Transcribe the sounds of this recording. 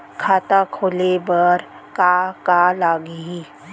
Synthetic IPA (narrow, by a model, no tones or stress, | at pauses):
kʰaːt̪akʰoːlebəɾ | kakalaːɡiɦi